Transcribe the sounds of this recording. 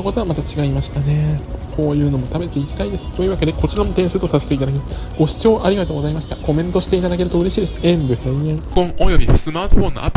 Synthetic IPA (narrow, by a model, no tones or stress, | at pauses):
oko̞t̪o̞amat̪at͡ɕiɡaimaɕi̥t̪ane̞kʰo̞ːjɯ̟ːno̞mo̞t̪abe̞ɾɯt̪e̞ikʲi̥t̪aid̪e̞sɨ̥t̪o̞jiɯβake̞d̪e̞ko̞t͡ɕiɾamo̞t̪eɰ̃sɨt̪o̞saset̪e̞it̪ad̪akʲimas | ɡ̥o̞ɕi̥t͡ɕo̞ːʔaɾʲiɡat̪o̞ːɡo̞zaimaɕi̥t̪ako̞mẽ̞nt̪o̞ɕi̥t̪eit̪ad̪ak̬e̞ɾɯ̟t̪oɯɾe̞ɕiːd̪e̞sɨ̥ẽmbɯ̟hẽãkõŋojobʲisɨmaːt̪oɸõ̞nːo̰ʔa̰p